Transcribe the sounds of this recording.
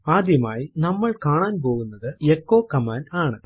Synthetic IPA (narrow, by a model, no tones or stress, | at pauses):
aːd̪jɐmaːjinɐmːɐɭkaːɳaːnp̬o̞ːɣunːɐðɨekːoːkɐmaːnaːɳɨ